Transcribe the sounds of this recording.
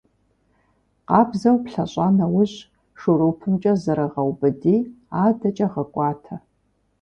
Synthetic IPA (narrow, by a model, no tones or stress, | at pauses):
qɑːbzɐwpɬɐɕʼɑːnɐwʊɕ | ʂuɾoːpʰɨmt͡ʃʼɐzɐɾɐʁɐwbɨdiː | aːdɐt͡ʃʼɐʁɐkʷʼɑːtʰɐ